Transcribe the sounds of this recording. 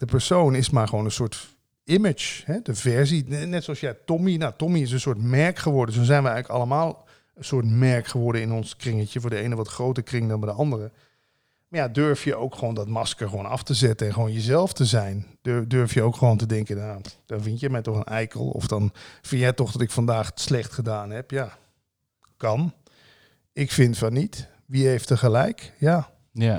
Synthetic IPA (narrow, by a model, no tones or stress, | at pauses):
d̥əpəɹsownɪsmaːɹχəʋoːnə̃nsʊːɹt | ɪmɪt͡ʃhɛdəvɛɹzinɛtsoɑsjɛjtɔminatɔmiɪs̬ənsʊːɹtmɛɹkχəʋɔɹdənsonzɛjnʋəɛjɣləkɑ̰lˠəmaːlˠ | ənsʊːɹtmɛɹkχəʋɔɹdəɪnɔnskrɪŋətjəfʊːɹdəejnəʋɑtχrowtəɹkrɪŋdɑnbɛjdəɑndərə | majadøɹfjəʔowkxəʋoːndɔtmɑskəɹxʋoːnɑ̰ftəzɛtənɛnxəʋoːnjəzɛlˠftəzɛjnddøɹfjəowkxəʋoːntədɛŋkənjad̥ɔnfɪntjəmɛjtɔxənɛjkə̰lˠɔ̰fd̥ɔnfɪnjɛjtɔxdɔtɪkfandaːxslɛxtχədaːnɦɛpja | kɑn | ɪkfɪntfɔnit | ʋihejftəχəlɛjkja